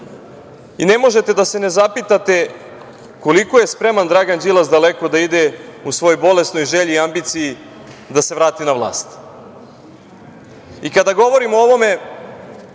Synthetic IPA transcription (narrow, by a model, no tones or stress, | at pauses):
ine̞mo̞ʒe̞t̪e̞d̪ase̞ne̞zapit̪at̪e̞ | ko̞liko̞je̞spɾe̞mand̪ɾaɡand͡ʒilˠasd̪ale̞ko̞d̪aid̪eusʋo̞jojbo̞le̞st̪no̞jʒeʎiːambit̪siji | d̪ase̞ʋɾaːt̪inaʋlˠa̰ːst̪ | ikad̪aɡo̞ʋo̞ɾimooʋo̞me̞